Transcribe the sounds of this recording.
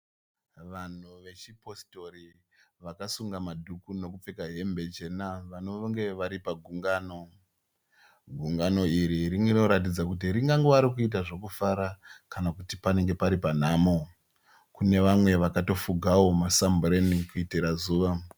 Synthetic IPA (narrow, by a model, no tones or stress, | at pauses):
ʋan̤uʋe̞t͡ʃipo̞sto̞ɾi | ʋakasuŋɡamadʱukuno̞kup͡fekaɦe̞mbe̞t͡ʃe̞naʋano̞ŋɡe̞ʋaɾipaɡʱuŋɡaːno̞ | ɡʱuŋɡano̞iɾiɾiŋɡeno̞ɾat̬id͡zakut̬iɾiŋɡaŋɡeʋaɾikuit̬aʐo̞kufaɾakanakutipane̞ŋɡe̞paɾipan̤aːmo | kune̞ʋamwe̞ʋakato̞fuɡʱawo̞masambrenikuitiɾazuːʋa